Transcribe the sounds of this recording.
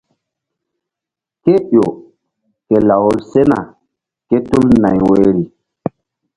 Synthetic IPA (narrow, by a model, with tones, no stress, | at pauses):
ke˦ɓo˨ | ke˨la˨wo˦lse˦na̰˨ | ke˦tu˦lna˨jwe˦ɾi˨